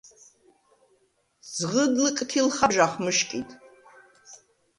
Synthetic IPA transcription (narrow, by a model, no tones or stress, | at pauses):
z̥ʁədlɨkʼtʰilχaʒaχʷmɨʃkʲʼitʼ